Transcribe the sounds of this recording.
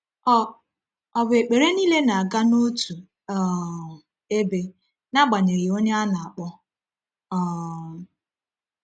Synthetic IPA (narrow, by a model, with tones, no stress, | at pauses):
ɔ˨be˨k͡pe˨ɾe˦niː˦le˦na˨a˨ɡa˦no˦tu˨ | ɔ˨ | e˦be˦ | na˦ɡ͡ba˨ɲe˨ɾɪ˨o˦ɲe˦a˦na˨a˨k͡pɔ˦ | ɔ˨